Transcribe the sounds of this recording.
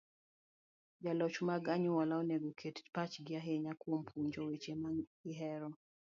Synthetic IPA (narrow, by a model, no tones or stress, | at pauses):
d͡ʒalɔt͡ʃumaɡaɲuwalaoneɡokʰetpat͡ʃɡɪaɦeɲakwompʰuɲd͡ʒɔwet͡ʃemaŋɪɦɛɾɔ